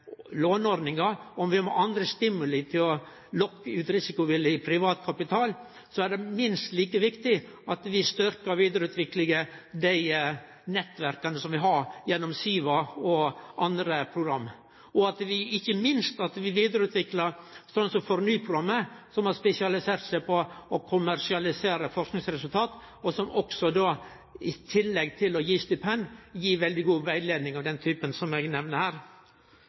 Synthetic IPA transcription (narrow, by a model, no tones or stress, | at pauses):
loːnɔɾd̪nɪŋɑɔmʋɪhɑmɔ̰ʔɑnd̪ɾəst̪ɪmːʉlət̪ʰɪlɔ | lɔkːəʉːt̪ɾɪsɪkʊʋɪlːəpʰɾɪʋɑːt̪kʰɑpɪt̪ʰɑːl | sɔæɖɛmɪnst̪liːkəʋɪkt̪ɪ | ɑt̪ʋɪst̪ʏɾkɑʋiːd̪əɾʉːt̪ʋɪklɪɡəd̪æɪ | nɛt̪ːʋæɾkɑnəsɔmʋɪɦɑɾjɛnːɔmsyːʋɑɔʔɑnd̪ɾəpʰɾʊɡɾɑmː | ɔɑt̪ʋɪɪçːəmɪnst̪ɑt̪ʋɪʋiːd̪əɾʉːt̪ʰʋɪklɑɾsɔnsɔfɔɾnyːpʰɾʊɡɑmːəsɔmhɑɾspɛsɪɑlɪseːɾt̪sæɪpʰɔɔkʰʊmæɾʂɪɑlɪseːɾəfɔʂknɪŋsɾɛsʉlt̪ʰɑːt̪ | ɔsɔmʔɔksɔd̪oː | ɪt̪ʰɪlːɛɡt̪ʰɪlɔjiːst̪ɪpʰɛnjiːʋɛld̪ɪɡuːʋæɪd̪leːd̪nɪŋɑʋd̪ɛnt̪ʰyːpənsɔmɛɡnɛʋnəhæːɾ